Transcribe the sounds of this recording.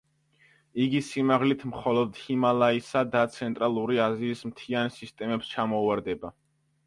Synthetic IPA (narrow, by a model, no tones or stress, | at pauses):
iɡisimaʁlit̪ʰmχɔlˠɔd̪himalˠaisad̪at̪sʰɛnt̪ʼɾalˠuɾiaziːsmt̪ʰiansist̪ʼɛmɛpst͡ʃʰamɔvaɾd̪ɛba